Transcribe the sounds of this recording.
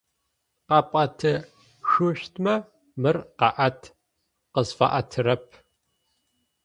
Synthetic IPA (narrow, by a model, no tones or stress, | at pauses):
qɑpʼɐtʰɨ | ʃuɕtʰmɐ | mɨrqɑʔɐtʰ | qəzfɐ̰ʔɐtʰɨɾɐp̚ʰ